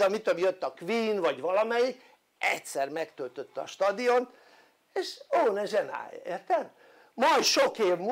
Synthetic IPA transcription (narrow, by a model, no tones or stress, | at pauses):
ɒmit̪ømjøt̪ːɒkʋiːnvɒɟʋɒlɒmɛjik | ɛtsɛrmɛkt̪ølt̪øt̪ːɒ̰ʃt̪ɒd̪ijont̪ | eːʃoːnɛʒɛna̰ːjɒ̰eːrt̪ɛm | mɒjʃokeːvm